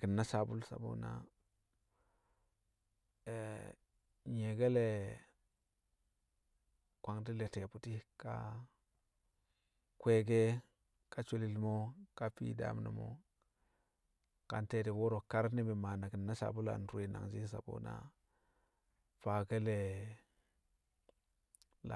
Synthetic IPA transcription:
ki˨nːa˦ʃa˨bu˦lsa̰˨bo̰˦na̰˦ | e˨ | ɲe˨ɡe˦le˨ | kwa˨ŋdi˦le˨te˨pu˨ti˦ka̰˦ | kʷe˦ɡe˦ | ka˦t͡ʃo˦li˨lmo˦ka˦pḭ˦da̰˦mnḭ˨mo̰˦ | ka̰˨nte˦di˨wo˦ɾo˨ka˦ɾni˦bi˨ma˨na˨ki˨nːa˦ʃa̰˨bu˦la̰˨n˨tu˦e˨na̰˨ŋd͡ʒi˦sa̰˨bo̰˦na̰˦ | fa˨ɡe˦le˨ | la˨

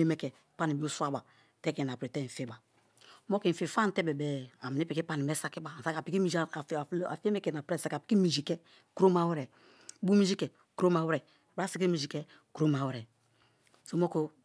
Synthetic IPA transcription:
e˦mɛ˦kɛ˨pa˦ni˨bi˦o˦su˦a˦ba˨ | tɛ˦ke˨na˨pɾe˨tɛ˦˨n̩˨fe˦ba˨˦ | mo˦ki˨fi˨fa˦n̩˨˦tɛ˦bɛ˨bɛ˨a˨mi˨ni˦pi˨ki˦pa˦ni˨mɛ˦sa˦ki˦ba˨sa˦ka˨pi˨ki˦mi˨˦˨a˨fe˦mɛ˦kɛ˨na˨pɾe˦˨sa˦ka˨pi̥˦ki˦mi˨d͡ʒi˨kɛ˦ | kɾo˦ma˦we˦ɾɛ˨˦ | bu˦mi˦d͡ʒi˦kɛ˨ | ku˦ɾo˦ma˨we˦ɾɛ˨ | bɾa˦si˦k̬i˦i˨d͡ʒi˨kɛ˦ | ku˨ɾo˦ma˨we˨ɾɛ˨ | so˦mo˦ko˦

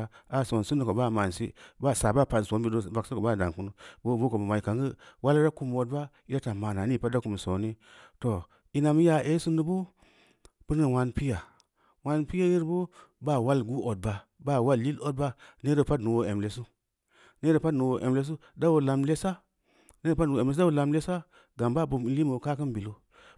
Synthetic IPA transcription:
a˨so˨n˨su˦nu˨ko˨ba˦˨ma˨nsḭ˦ba˦˨sa˨ba˦pa˨n˨so˨˦mbi˦do˦˨ba˨ksi˦ko˨ba˦˨da̰˨ŋku˦nu˦bo˦˨bu˦ko˨bma˨i˨ka˨ŋɡi˦wa˦lɾa˦ku˦m˨o˨d̚ba˦ | i˦ɾa˦ta˨ma˨na˨ni˦˨pa˦da˦ku˨m˨so˨ni˦ | to˨ | i˦na˨m˦ja˨ʔe˦su˦nu˦bu˦ | b̥u˦ni˨wa˨npi˦ja˨ | wa˦npi˦ja˦ji˦ɾbu˦ba˦˨wa˦lɡu˦ʔo˨d̚ba˨ | ba˦˨wa˦lːi˦lo˦d̚ba˦ne˦o˨pa˦dnu˨wo˨e˨mle˨su˦ | ne˦ɾo˨pa˦dnu˨wo˨ʔḛ˨mle˦s̬u˦ | da˦wo˨la˨mle˦sa˦ | n˦˨pa˦˨u˨e˨˦o˦˨la˨mle˦sa˦ | ɡa˨mba˦˨bu˨m˨li˦mo˨ka˦kɨ˦nbi˨lo˦

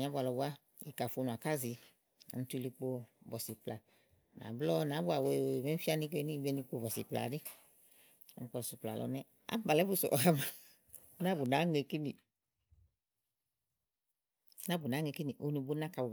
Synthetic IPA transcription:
i˨a˦bʷu˦a˨lɔ˨ba˦ | i˨ka˨fo˨˧nũ˨a˨ka˦zi˨ | n̩˨˦tu˦˧li˧k͡po˧bɔ˨si˨pla˨ | na̰˨blɔ˦nã˨˦bu˦a˨we˨me˨˦fi˦a˦ni˧˦ke˦ni˦bɛ˧ni˧k͡po˧˨bɔ˨sḭ˨pla̰˨di˦˨˦ | ŋ̩˦k͡pɔ˧su˨pla̰˨lɔ̰˨˦nɛ˦ | a̰˦m˦ba˨lɛ˨˦bu˦sɔ̰˨ʔɔ˨ja˦ma˨˦ | na˦bu˨na˨˦ŋe˨˧ki˦ni˨ | na˦bu˨nã˨˦ŋe˧ki˦ni˨ʔo˨˦ni˧bu˦na˦ka˨b

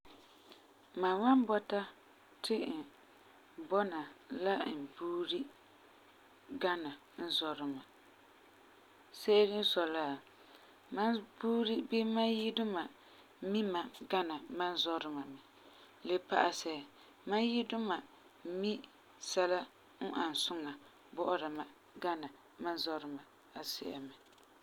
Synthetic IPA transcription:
ma˨wa˦nbɔ˦ta˦ | tʰɪ˦˨ | bɔ˦na˨la˦n̩˨buː˦ɾi˦ | ɡa˦na˨ | n̩˦zɔ˨ɾɪ˨ma˨ | se˦ɾɪ˦n̩˦sɔ˨laː˦˨ | ma˦nbuː˦ɾi˦bi˦ma˦nji˦dʊ˦ma˨˦ | mi˦ma˨ɡa˦na˨ma˦n˦zɔ˦ɾɨ˦ma˨mɪ˨ | le˦pa̰˦ʔa˦sɛ˨ | ma˦nji˦dʊ˦ma˨˦ | mi˦ | sɛ˦la˦ | n̩˦ʔa˨n˨sʊ˦ŋa˨ | bɔ˦ʔʊ˦ɾa˨ma˨ | ɡa˦na˨ | ma˦nzɔ˦ɾɨ˦ma˨ | a˨sɛ̰˦˨ʔa̰˨mɪ˨

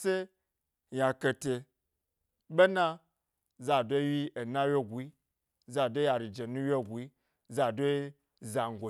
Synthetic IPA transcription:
se˦ | ja˨ke˨te˨ | ɓe˦na˦ | za˨do˦ji˦ʔe˨na˦wjo˦˨ɡʷi˦ | za˨do˦ja˨ɾi˨d͡ʒe˨nũ˦jʲo˦˨ɡʷi˦ | za˨do˦ | za˨ŋ˨ɡʷo˨

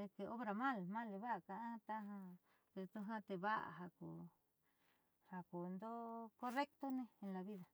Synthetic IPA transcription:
e˧ke˧ʔo˦βɾa˨mã˦˨lmã˦le˧βa˦ʔka˧˨ã˦t̪a˦ɦã˧ | pe˧t̪u˧ɦã˦t̪e˧βa˦ʔa̰˨ɦa˧ku˨ | ha˧ku˨nd̪o˦ko˦re˦k̚t̪o˦nẽ˧e˧la˨βi˦ða˨

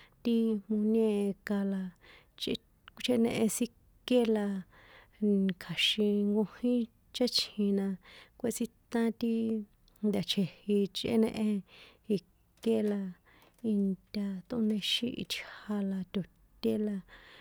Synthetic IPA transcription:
t̪i˦mũ˧nẽ˦˧ka˧la˧ | t͡ʃ | kt͡ʃe˧˦nḛ̃˧ʔẽ˧si˦ | ke˦la˧ | kʰa˨ʃĩ˧ŋɡõ˧hĩ˦ | t͡ʃe˦t͡ʃʰĩ˧nã˧kʷe˧t͡si˧t̪ã˦t̪i˦ | nd̪ʲa˨t͡ʃʰe˨hi˧t͡ʃʔḛ˦nẽ˧ʔẽ˧i˧ | ke˦la˧ | i˧nt̪ʲa˧t̪ṵ̃˧˦nẽ˧ʃḭ̃˦ʔḭ˧t͡ʃha˧la˧t̪ʲo˨ | t̪ʲe˦la˧

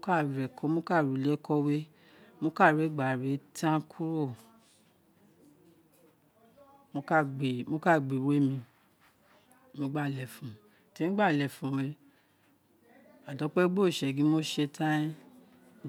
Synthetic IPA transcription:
o˦ka˦˨ɾɛ˨kɔ˧˦mo˦ka˦˨ɾu˨lɛ˦kʰɔ˧we˦ | mo˦ka˦˨ɾe˨˦˨ɡ͡ba˨ɾe˨˦tʰã˦kʰu˦ɾo˦˨ | mo˧˦ka˦˨ɡ͡be˨mo˦ka˦˨ɡ͡be˨we˦mĩ˧˦ | mo˧˦ɡ͡ba˦˨lɛ˨fũ˨ | ti˧˦n̩˦ɡ͡ba˦˨lɛ˨fũ˨˦we˨˧ | a˨dɔ˨˦k͡pɛ˦ɡ͡bo˦˨ʃɛ˨ɡĩ˨˦mo˦ʃe˧tʰã˦ĩ˦

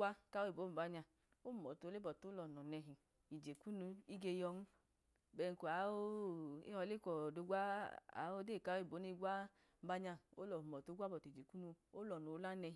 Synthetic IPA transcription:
ɡʷwa˦ka˦o˦i˨bo˨˦m̩˨ba˨˧ɲa˧˨ | o˦˨mɔ˨tle˦bɔ˨to˨˦lɔ˨nɔ˨nɛ˧ɦi˨ | i˨d͡ʒe˨ku˦nu˧i˦ɡe˧jɔ˧ŋu˦ | bɛ˧ŋ̩˨ku˨a˨˦o˦ḛ˦hɔ˧le˦kɔ˨do˧ɡʷa˦a̰˨˦o˦de˦˨ka˨˦o˦i˨bo˨˦ni˧ɡwa˦ | ba˧ɲa˧o˦lɔ˨mɔ˨to˨˦ɡʷa˦bɔ˨td͡ʒe˨ku˦nu˧o˦lɔ˨no˨˦la˦nɛ˧i˨

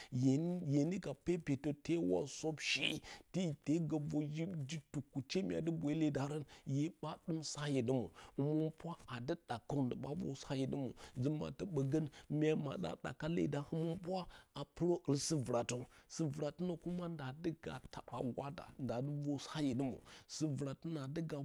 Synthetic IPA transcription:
jje˨ni˦ɡa˨pe˦pe˨to˨te˦wa̰˦so˦bʃḛ˦˨ti˦˨te˦ɡa˨vo˦d͡ʒi˦d͡ʒi˦tu˨kːu˨t͡ʃe˦mʲ˦a̰˨də˦bʷe˨i˦le˦˨da˨ɾə˦nje˦ɓa˦du˦msa˦je˨də˦mu˨ə˨mu˦mpʷa˦a˨də˦d̥a˨ka˦˨də˨ɓa̰˦vo̰˦sa˦ji˨də˦mṵ˨zə˦ma̰˨tə˦ɓə˨ɡə˦nmʲ˦a˦ma̰˨da̰˨da̰˨ka˦lḛ˨da˦hə˦mu˦mpwa˦a˨pə˦ɾo˦ə˨lsi˦və˨ɾa˨tu˦si˦vɾa˨tə˦no˨ku˦ma˦nda˨də˦ɡa̰˨ta˨ɓa̰˨ɡʷa˦da̰˨nda˨də˦vo˦sa˦ji˨də˦mṵ˨si˦və˨ɾa˨tə˦na˨də˦ɡa˨

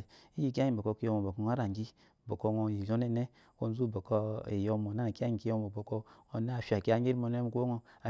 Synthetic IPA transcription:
i˦ji˦˨k̬i˦a˦i˨bo˨ko˦ki˦o˦mo˨bo˨ko˨ŋa˦ɾa˨ŋ˨ɡi˦ | bo˨ko˦ŋo˨ji˨jo˦ne˦ne˦ | ko˦n˦zu˦˨bo˨ko˦ḭ˨jo˦mo˨na˦na˨ka˦i˨ki˦jo˦mo˨bo˨ko˦o˨˦na˦˨fi˨a˨ki˦a˦ŋ˦ɡi˦ɾmo˨ne˦m˨˦ko˦ŋo˦a˨

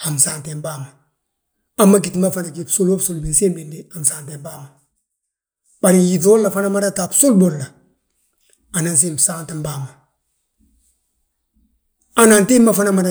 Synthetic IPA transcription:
a˨msaːnte˨mbaːma˨ | a˦mːa˦kitma˦fanakipsu˦lo˦bsulbi˨nsi˦mbindeamsaːnte˨mbaːma˨ | b̥a˨ɾiji˨t̬o˦lla˨fa˦na˦ma˦da˦ta˨psu˦lbo˨ɾla˨ | a˨na˨ns̬i˦msaː˦nti˨mbaːma˨ | a˦na˨nti˦ma˦fa˦namada

